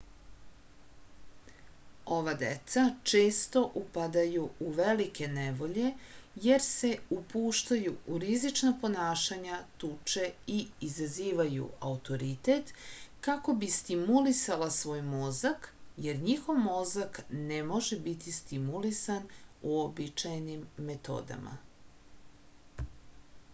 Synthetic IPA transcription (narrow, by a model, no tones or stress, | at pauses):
o̞ʋad̪ḛt̪sat͡ʃeːst̪o̞ʔupad̪ajuuʋelike̞neʋo̞ʎe̞je̞ɾse̞upuːʃt̪ajuuɾizit͡ʃnapo̞naːʃaɲat̪uːt͡ʃe̞iizaziːʋajṵaut̪o̞ɾit̪et̪kako̞bist̪imulisalasʋo̞ːjmo̞zakje̞ɾɲixo̞ʋmo̞zaknemo̞ʒebit̪ist̪imulisanuobit͡ʃajnimːe̞t̪o̞̰ːd̪a̰mʔa̰